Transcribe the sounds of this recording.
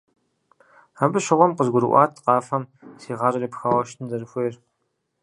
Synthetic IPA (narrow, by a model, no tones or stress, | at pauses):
abɨɕɪʁʷɔmqəzɡʷʊɾɨ̰ʔʷɑ̰ːtʰqɑːfɐmsiːʁɑɾɨriːpxaːwɐʃtʰɨndɐrɨxʷeːr